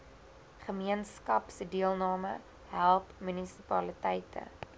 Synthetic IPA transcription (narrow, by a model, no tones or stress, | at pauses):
χəmiənskɐpsədiəlˠnɑːmə | ɦælˠpmynisi̥pɐlitɛjtʰə̰